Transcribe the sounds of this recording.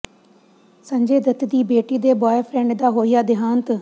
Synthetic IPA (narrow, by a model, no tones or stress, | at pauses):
sə̃ɲd͡ʒeːd̪ət̪d̪iːbeːʈiːd̪eːbɔːjəpʰɾɛ̃ɳɖd̪aːɦoːijaːd̪ɪɦãːnt̪